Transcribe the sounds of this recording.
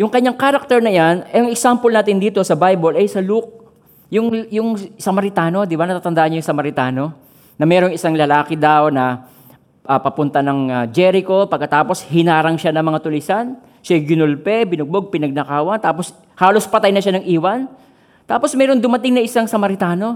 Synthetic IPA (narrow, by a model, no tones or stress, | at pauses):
jʊŋkɐɲːaŋkaːɾɐk̚t̪ɛɹnɐjanɛɐŋɛksampɐlnaːt̪ɪnd̪iːt̪o̞sɐbajbolʔɐjsɐluk̚ | jʊŋjʊŋsɐmɐɾɪt̪aːno̞d̪ɪbanɐt̪aːt̪ɐnd̪aːʔɐnɲːjʊŋsɐmɐɾɪt̪aːno̞ | nɐmɛːɾo̞ŋɪsaŋlɐlaːkɪd̪awnɐ | ʔɐpɐpʊnt̪ɐnɐŋɐd͡ʒɛɾɪko̞pɐɡ̚kːɐt̪aːpo̞shɪnaːɾɐŋʃanɐŋmɐŋat̪ʊlɪsan | ʃɐɡɪnolpɛbɪnʊɡ̚boɡ̚pɪnɐɡ̚nɐkaːwɐnt̪aːpos | haːlo̞spɐt̪ajnɐʃanɐŋʔiːwɐn | t̪aːpo̞smɛːɾoŋd̪ʊmɐt̪ɪŋnɐʔɪsaŋsɐmɐɾɪt̪aːno̞